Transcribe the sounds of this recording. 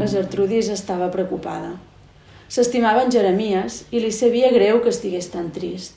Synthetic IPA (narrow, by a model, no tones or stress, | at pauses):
əzəɾt̪ɾuðizəst̪aβ̞əpɾəkupa̰ðə | səst̪imaβəːnʲʒəɾəmiəzilisəβ̞iəɣɾewkəːst̪iɣest̪ant̪ɾist̪